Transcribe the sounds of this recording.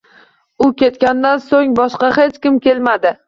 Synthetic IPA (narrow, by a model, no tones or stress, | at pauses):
ʊkʲe̞t̪kʲand̪ansoŋbɒʃqɑhet͡ʃkʲɪmkʲʰe̞lmad̪ɪ